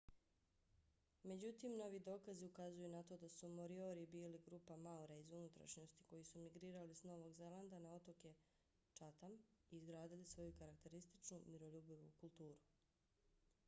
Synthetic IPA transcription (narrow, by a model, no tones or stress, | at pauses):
me̞d͡ʑut̪imno̞ʋid̪o̞ːkaziukazujunat̪o̞d̪asumoɾio̞ɾibiːliɡɾupamauɾaizunut̪ɾa̰ʃɲo̞st̪i̥ko̞jisumiɡɾiːɾalisno̞ʋo̞ɡzeland̪anao̞t̪o̞ke | t͡ʃat̪amiːzɡɾaːd̪ilisʋo̞jukaɾak̚t̪e̞ɾist̪it͡ʃnumiɾo̞ʎubiʋṵkulˠt̪uːɾu